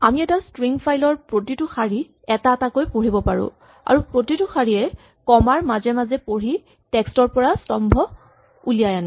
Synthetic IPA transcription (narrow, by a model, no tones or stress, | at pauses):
amiɛtastɹiŋpʰajlɔɹpɹotitʊxaɹi | ɛtatakojpoɹibɔpaɹʊ̰ | a̰ɹupɹotitʊxaɹiɛ | kɔmaɹmazɛmazɛpoɹi | tɛkstɔɹpɔɹastɔmbʱɔ | ulijajanɛ